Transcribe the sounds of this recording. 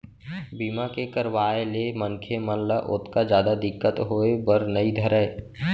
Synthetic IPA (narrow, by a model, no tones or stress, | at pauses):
biːmakekəɾʋaːelemənkʰemənləʔʊt̪kad͡ʒjaːd̪ad̪ɪkːət̪ɦoːebəɾnəid̪ʱəɾə